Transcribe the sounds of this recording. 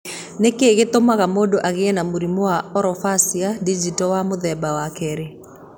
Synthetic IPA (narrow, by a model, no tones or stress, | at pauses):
nekeɣet̪omaɣamodɔʔaɣeɛnamoɾimɔwaɔɾɔfasiadid͡ʒitɔwamoðɛbawakɛɾe